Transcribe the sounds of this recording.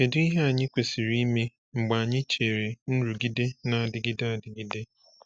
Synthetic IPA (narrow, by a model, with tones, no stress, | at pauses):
e˨di˦ɦe˦a˨ɲɪ˦kʷe˨si˨ɾi˦me˦ | ŋ͡m̩˨ɡ͡ba˨a˨ɲɪ˦t͡ʃe˨ɾe˨n̩˦ɾu˨ɡi˦de˦na˨a˨dɪ˨ɡi˦da˦a˨dɪ˨ɡi˦de˦